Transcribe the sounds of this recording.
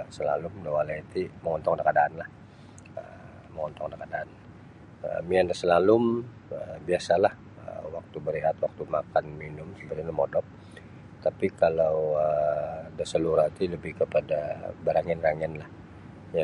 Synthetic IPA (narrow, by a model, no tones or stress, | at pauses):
səlalʊmdawalait̪iməŋɔnt̪ɔŋkadakadaʔːnlah | ə | məŋɔnt̪ɔŋadakadaːn | ə̰miandasəlalʊm | əbiasalah | ə̰wak̚t̪ubəɾiɦat̪wak̚t̪umakanminʊmsəbərnəmɔdɔp̚ | t̪apikalawədasəluɾat̪iləbɪhkəpadabəɾaŋɛnraŋɛnlah | a